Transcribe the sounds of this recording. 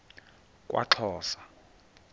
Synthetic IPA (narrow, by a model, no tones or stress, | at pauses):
kʼwʔa̰ǁʰɔːsḁ